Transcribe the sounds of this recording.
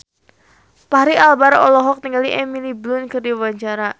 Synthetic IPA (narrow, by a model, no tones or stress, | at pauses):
paɦaɾialbaɾɔlɔɦɔk̚t̪iŋɡaliʔɛmiliblʊnkɨrdiwaɲt͡ʃaɾa